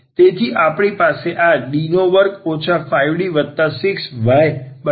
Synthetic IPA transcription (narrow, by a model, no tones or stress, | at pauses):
t̪et̪ʰiʔapɳ̃ipaseʔaɗinoʋəɾkot͡ʃʰafajʋɽiʋəd̪t̪ːasɪksʋajbə